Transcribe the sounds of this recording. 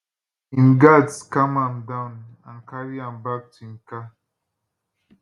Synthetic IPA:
ĩnɡadskamãmdãnãnkaɾiãmbak̚tĩnka

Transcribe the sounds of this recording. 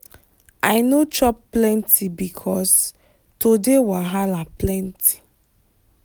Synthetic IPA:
ajnot͡ʃɔpːlɛ̃ntʰibikʰɔs | todewaɦalaplɛ̃ntʰi̥

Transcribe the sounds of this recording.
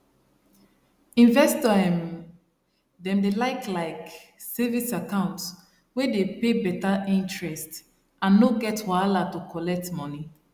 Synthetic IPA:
ĩnvɛstɔɛ̃m | dɛ̃mdelaɪklaɪksɛvisakãʊ̃nts | wedepebɛtaʔĩntɹɛst | ʔãnːoɡɛtwalatukʰɔlɛk̚tmɔni

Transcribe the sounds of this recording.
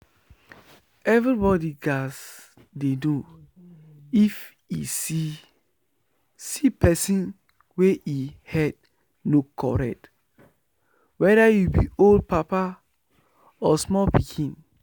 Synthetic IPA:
ɛvɹibɔdiɡas | dedu | if | isi | sipʰɛsĩn | weʔihɛd | nokʰːɔ̰ɹɛ̰k̚t | wɛdajubḭold̚papa | ɔsmɔlpikʰĩn

